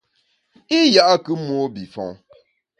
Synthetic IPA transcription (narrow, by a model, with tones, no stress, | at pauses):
i˦ja˦ʔa˦kɨ˦mwo˦bi˨fɔ̰̃˨ŋ